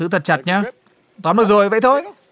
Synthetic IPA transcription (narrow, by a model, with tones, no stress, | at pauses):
ɨ̰˧˥t̪ʰə˨˩t̚t͡ɕə˨˩t̚ɲaː˧ | t̪waː˨˦nlɨː˨˩k̚zo˨˩jvə˧˨jt̪ʰo˧j